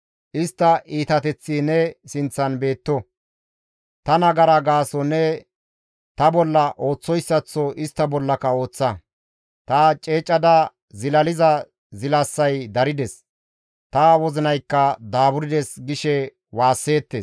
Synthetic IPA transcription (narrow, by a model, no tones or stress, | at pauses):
ʔɪst̪ːɐʔiːt̪ɐt̪ɛt͡sːiːnɛsɪnt͡sːɐnbe̞ːt̪ːɔ | t̪ɐnɐɡɐɾɐɡaːsɔnɛ | t̪ɐbɔlːɐʔo̞ːt͡sːɔjsːɐt͡sːɔʔɪst̪ːɐbɔlːɐkɐo̞ːt͡sːɐ | t̪ɐt͡ʃʼeːt͡ʃʼːɐd̪ɐ | zɪlɐlɪzɐ | zɪlɐsːɐjd̪ɐɾɪd̪ɛs | t̪ɐwɔzɪnɐjkːɐd̪aːbʊɾɪd̪ɛsɡɪʃɛ | waːsːe̞ːt̪ːeːs